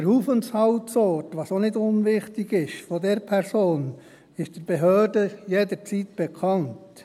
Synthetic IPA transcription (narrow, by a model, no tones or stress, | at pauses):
ɛɾhuːfənshɑʊtsɔtʋɑːsonɪdʊnʋɪχtɪɡɪʃfɔdɛɾpʰɛɾsoːn | ɪʃd̥ɪb̥eɦøːɾdəjedəɾt͡sitb̥ɛkʰɑnt